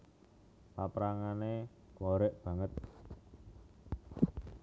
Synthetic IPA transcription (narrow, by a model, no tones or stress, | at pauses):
papɾaŋane | kwoɾɛʔb̥ä̤ŋət̪̚